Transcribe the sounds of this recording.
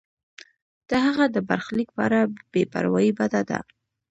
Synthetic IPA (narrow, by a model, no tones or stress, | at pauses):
d̪̥əɦaɣad̪əbaɾxlik̚pɑ̰ɾab̥epa̰ɾwɑjibad̪ad̪a̰